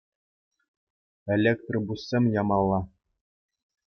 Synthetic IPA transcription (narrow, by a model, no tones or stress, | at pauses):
ĕlʲekt̪rɤbusʲːemʲjɑmɑlˠːɑ